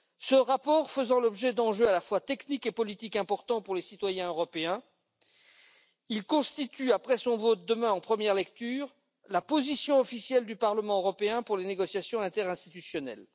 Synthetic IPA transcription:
səʁapɔʁfəzɑ̃lɔbʒɛd̪ɑ̃ʒøalafwat̪ɛknikepɔlit̪ikɛ̃pɔʁt̪ɑ̃puʁlesit̪wajɛ̃øʁɔpeɛ̃ | ilkɔ̃st̪it̪yapχɛsɔ̃vot̪̚d̪əmɛ̃ɑ̃pχəmjɛʁlɛkt̪yːʁ | lapozisjɔ̃ɔfisjɛld̪ypaʁləmɑ̃øʁɔpeɛ̃puʁleneɡɔsjasjɔ̃ɛ̃t̪ɛʁɛ̃st̪i̥t̪ysjɔnɛ̰l

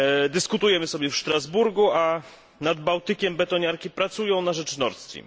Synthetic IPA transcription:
d̪ɘskut̪ujɛmɘsɔbʲjɛfʂt̪ɾazbuɾɡua | nad̪bawt̪ɘkʲɛmbɛt̪ɔɲaɾkʲipɾat̪sujɔ̃w̃naʐɛt͡ʂnɔɾt̪st̪fʲḭm

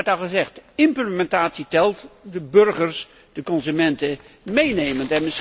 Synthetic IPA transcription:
tɑlˠχəzɛχtɪmpləmɛntaːtsitɛlˠtdəbɵɹχəɹs | d̥əkɔnzymɛntəmejnejməntɛnmɪs

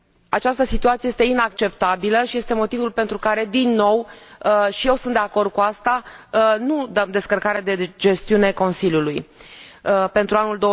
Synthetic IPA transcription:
at͡ʃast̪əsit̪uat̪sijest̪e̞inakt͡ʃe̞pt̪abiləʃije̞st̪e̞mo̞t̪ivulpe̞nt̪ɾukaɾe̞d̪inːo̞w | ʃije̞wsunt̪d̪eako̞rd̪̚kuast̪anud̪əmd̪e̞skərkaɾed̪e̞d͡ʒe̞st̪iune̞ko̞nsilʲjuluj | pe̞nt̪ɾuanuld̪o̞

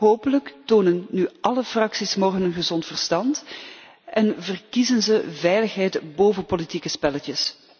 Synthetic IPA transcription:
ɦoːpələktoːnənːyʔɑləfrɑksismɔrɣənənɣəzɔntfərstɑnt | ʔɛnvərkizənzəvɛjləxɦɛjtboːvənpolitikəspɛlətjəs

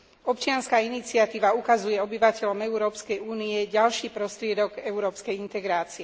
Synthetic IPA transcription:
ɔpt͡ʃɪanskaːinit͡siɪat̪iːʋaukazujɛɔbiʋacɛʎɔmɛuɾɔːpskɛjuːniɛɟalʃiːpɾɔst̪ɾɪɛd̪ɔɡɛuɾɔːpskɛjint̪ɛɡɾaːt͡siɛ

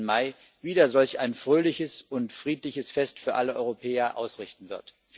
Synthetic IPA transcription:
maɪ | viːdɐzɔlçaɪnfʁ̥øːlɪçəsʊntfʁ̥iːtlɪçəsfɛstfyːɐʔaləʔɔ̰ʏʁopʰɛːɐʔa̰ʊsʁɪçtn̩vɪɐt

